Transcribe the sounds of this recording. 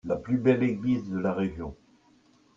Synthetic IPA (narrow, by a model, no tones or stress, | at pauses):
laplybɛleɡlizd̪əlaʁeʒjɔ̃